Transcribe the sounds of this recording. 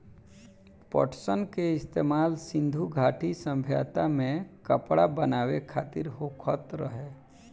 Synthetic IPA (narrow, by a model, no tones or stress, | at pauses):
pɔ̰ʈsənkeɪst̪eːmaːlsɪ̃nd̪ʱuɡʱaːʈʰisə̃mbʱja̰ːt̪amẽkəpɽabənaːwekʰaːt̪ɪɾɦokʰət̪ɾəɦeː